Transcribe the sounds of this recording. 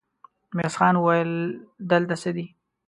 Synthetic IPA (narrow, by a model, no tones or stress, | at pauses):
mesxɑnwajəld̪əlt̪asəd̪i